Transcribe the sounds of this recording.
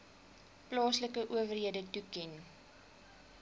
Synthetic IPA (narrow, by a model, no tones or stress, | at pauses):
plɑːsləkəʔuəvərɦiədətukɛn